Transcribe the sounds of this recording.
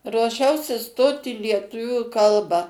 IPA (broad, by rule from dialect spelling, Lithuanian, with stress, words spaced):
ruɔˈʃʲɛʊsʲɪ ˈstoːt ɪ lʲiɛˈtʊʋʲuː ˈkɐlˠbɑː